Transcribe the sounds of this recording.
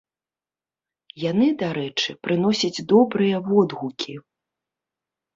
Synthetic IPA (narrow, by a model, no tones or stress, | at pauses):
janɨd̪aɾɛt͡ʂɨpɾɨnɔsʲɐd͡zʲd̪ɔbɾɨjɐvɔd̪ɣukʲʰi